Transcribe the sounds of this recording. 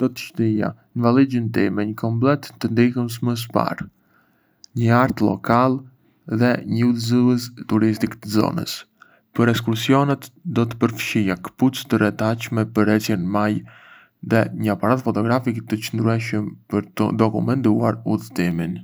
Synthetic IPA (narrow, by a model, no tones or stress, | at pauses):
d̪̥ɔt̪ə̥ʃt̪ija̰ | nvalid͡ʒənt̪imɛɲəkʰɔmplɛt̪ːənd̪ihəms̬məs̬pa̰ɾ | ɲəaɾt̪lɔ̰kalˠ | ðɛɲəuðziəst̪uɾist̪ikt̪əzɔ̰nə̰s | pəɾɛs̬kusijɔnɛt̪d̪ɔt̪ə̥pəɾfʃijakə̥put͡st̪əɾɛt̪at͡ʃmɛpəɾɛjɛnmaj | ðɛɲəapaɾat̪fɔt̪ɔɡɾafikt̪ət͡ʃənd̪ɾuɛʃəmpəɾt̪ə̰d̪ɔkumɛnt̪uaɾuðt̪imin